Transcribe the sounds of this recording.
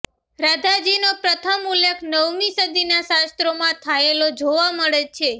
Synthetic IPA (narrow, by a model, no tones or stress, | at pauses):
ɾad̪ʱad͡ʒinopɾət̪ʰəmulekʰnəʋmisəd̪inaʃast̪ɾomãt̪ʰaelod͡ʒoʋaməɭet͡ʃʰe